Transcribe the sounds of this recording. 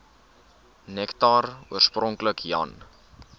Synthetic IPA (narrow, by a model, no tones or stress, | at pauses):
nɛktɑruərsprɔŋkləkjɐ̰n